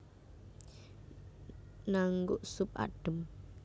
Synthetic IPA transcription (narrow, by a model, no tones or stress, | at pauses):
naŋɡʊʔsʊp̚a̰ɖ̥ə̤m